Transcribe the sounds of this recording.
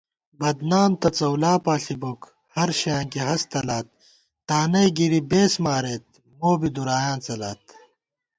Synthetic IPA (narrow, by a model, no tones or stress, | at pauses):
bɐd̪naːmt̪ɐt͡sɐwlaːpaːɬibok | hɐɾɕjãːŋkiɦɐst̪ɐlaːt̪̚ː | aːnɐjɡiɾibeːsmaːɾeːt̪̚ | moːbid̪uɾaːjãːnt͡sɐlaːt̪